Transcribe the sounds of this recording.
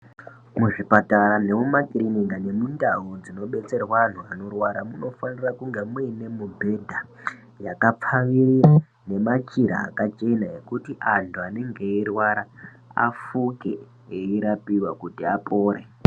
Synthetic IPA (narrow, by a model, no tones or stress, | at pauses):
muʐipataɾane̞mumakiriniŋɡane̞mundaɦud͡zino̞ɓe̞t͡se̞rwaːn̤uano̞rwaɾamuno̞fanirakuŋɡemwine̞mubʱe̞dʱa | jakap͡faʋirira | ne̞mat͡ʃiɾa̰ːkat͡ʃe̞naekutiʔantʰuane̞ŋɡe̞irwaɾa | a̰fuke | eiɾapiwakutiapoːɾe